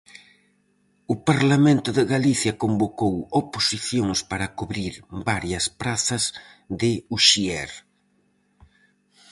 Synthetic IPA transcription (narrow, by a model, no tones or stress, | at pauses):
ʊpaɾlamẽnt̪ʊðɪɣaliθjɐkombokowoposiθjoŋspaɾɐkuβɾiɾbaɾjɐspɾaθɐz | ðɪuʃiɛɾ